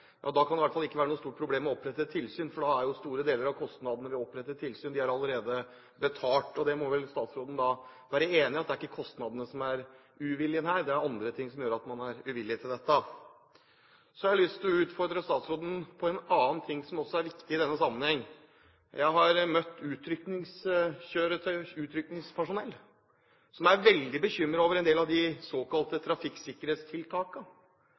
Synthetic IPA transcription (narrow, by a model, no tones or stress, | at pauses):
jʔɑ̰ːd̪ɑkʰɑnɛʋæʈ̪fɑlɪkːəʋæːɾənuːst̪uːʈ̚pʰɾʊbleːmːɛɔpːɾɛt̪ːət̪ʰɪlsyːnfɔɖɑæɾjʊst̪uːɾəd̪eːləɾɑʋkʰɔst̪nɑd̪ənəʋɪɔpːɾɛt̪ːət̪ʰːɪlsyːnd̪ɪæɾɑlːəɾeːd̪ə | bət̪ʰɑːʈɔd̪ɛmɔʋɛlst̪ɑːt̪sɾoːd̪n̩d̪ɑʋæːɾəeːnɪɑt̪̚d̪ɛæɾɪkːəkʰɔst̪nɑd̪ənəsɔmæɾ | ʉʋɪlːɪənhæːɾd̪ɛæɾɑnd̪ɾət̪ʰɪŋːsɔmjøːɾɑt̪mɑnæɾʉʋɪlːɪt̪ʰɪld̪ɛt̪ːə | sɔhɑhɑlʏst̪ʰɪlɔʉːt̪fɔɾɖ̪ɾəst̪ɑːt̪sɾoːd̪ənpʰɔɛnɑːnt̪ʰɪŋːsɔmɔsːɔæɾʋɪkt̪ɪɪd̪ɛnːəsɑmːənhɛŋː | jæ̰ɪɦɑɾmœt̪ːʉːt̪ʰɾʏknɪŋsɕøːɾət̪ʰœʏʉːt̪ʰɾʏknɪŋspʰæʂʊnɛlː | sɔmæɾʋɛld̪ɪbəçʏmːɾəɾoːʋəɾɛnd̪eːlɑʋd̪ɪsoːkɑlt̪ət̪ʰɾɑfɪksɪkːəɾeːt̪st̪ʰɪlt̪ʰɑːkə